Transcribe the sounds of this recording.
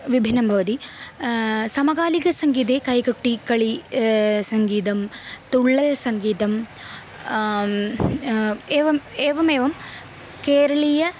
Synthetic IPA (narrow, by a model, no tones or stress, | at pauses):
ʋibʱinɐmbʱɐʋɐd̪i | sɐmɐɡaːlikɐsɐŋɡiːt̪̬eːkɐjkɐʈːikɐɭi | sɐŋɡiːt̪ɐmt̪uɭːɐlsɐŋɡiːt̪ɐm | eːʋɐmeːʋɐmeːʋɐm | keːɾɐɭijɐ